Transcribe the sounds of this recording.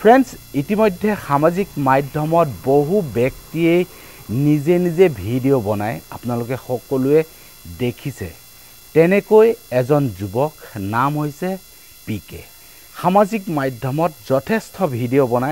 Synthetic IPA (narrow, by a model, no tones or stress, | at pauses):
pʰɹɛnsitimojdʱːɛxamazikmajdʱjɔmɔtboɦubɛktiej | nizenizebʱidijobɔnaja̰pnalʊkɛxɔkɔlʊɛ | dekʰisɛ̰ | tɛnɛkojɛzɔnzubɔknamɦojsɛ | pikɛ̰ | xamazikmajdʱɔmɔtz̥ɔtʰestʰɔbʱidiobɔnaj